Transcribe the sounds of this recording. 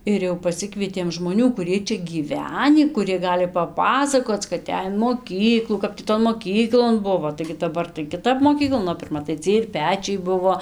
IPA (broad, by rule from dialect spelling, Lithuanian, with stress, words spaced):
ɪr ˈjɛʊ pɐˈsʲɪkʋʲiɛtʲeːm ʒmoːˈnʲuː kʊˈrʲiɛj ˈt͡ʃʲɛ ɡʲiːˈʋʲæːnʲiː kʊˈrʲiɛ ˈɡɑːlʲɪ pɐˈpɑːsɐkoːt͡s kɐt ˈɛj ɪn moːˈkʲiːklˠuː ˈkɐp tʲiː ˈtoːn moːˈkʲiːklˠoːn ˈbʊʋoː tɐɪɡʲɪ dɐˈbɐr tɐɪ kʲɪˈtɐp moːˈkʲiːklˠoːn oː pʲɪrˈmɐ tɐɪ ˈt͡sʲiɛj ɪr ˈpʲæːt͡ʃʲɛɪ ˈbʊʋoː